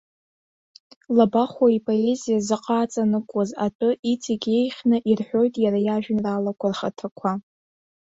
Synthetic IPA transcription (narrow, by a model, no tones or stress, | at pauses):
labaχwaipʼoezijazɨqʼaːt͡sʼanɨkʷʼazatʷʼʊʔit͡sʰʼiɡʲe̞jχʲnɨʔirħʷᶣo̞jtʼjaɾajaʒᶣɪnralakʷʰarχatʰakʷʰa